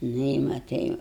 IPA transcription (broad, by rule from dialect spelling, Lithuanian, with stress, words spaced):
ˈnʊ ɪ mɐtɐɪ